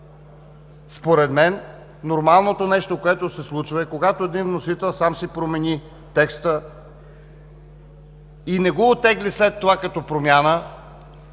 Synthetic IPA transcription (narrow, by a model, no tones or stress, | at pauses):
spoɾɛd̪mɛnː | oɾmalˠnot̪onɛʃt̪okoɛt̪osɛslˠut͡ʃvəɛkoɡat̪oɛd̪invnosit̪ɛlˠsamsipɾomɛni | t̪ɛkst̪ə | inɛɡɔːt̪ːɛɡlislɛt̪ːovakɐt̪ɔpɾomʲjanə